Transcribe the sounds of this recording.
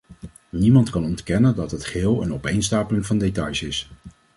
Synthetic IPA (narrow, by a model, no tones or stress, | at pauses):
nimɑntkɑnɔntkɛnəndɑtɦətχɪːlˠə̰nɔpejnstaːpəlɪŋvɑndetɑjsɪs